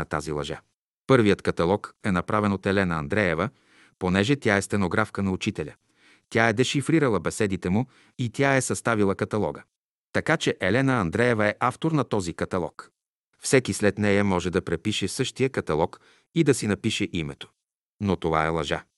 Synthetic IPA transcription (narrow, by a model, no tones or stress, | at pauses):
ɐt̪a̰zilˠɐʒa̰ | pɤɾvijət̪kɐt̪ɐlˠɔkɛnɐpɾavɛnot̪ɛlɛnəɐnd̪ɾɛɛvə | ponɛʒɛt̪ʲjaɛst̪ɛnoɡɾafkənɐut͡ʃit̪ɛlʲə̰ | t̪ʲjaɛd̪ɛʃifɾiɾəlˠɐbɛsɛd̪it̪ɛmu | it̪ʲjaɛsɐst̪avilˠəkɐt̪ɐlˠɔ̰ɡə | t̪ɐkat͡ʃɛʔɛlɛnəɐnd̪ɾɛɛvəɛʔaft̪oɾnɐt̪ɔzikɐt̪ɐlˠɔ̰k | fsɛkislɛt̪nɛjɐmɔʒɛd̪ɐpɾɛpiʃɛsɤʃt̪ijəkɐt̪ɐlˠɔk | id̪ɐsinɐpiʃɛʔimɛt̪o̥ | not̪ova̰ɛlˠɐʒa̰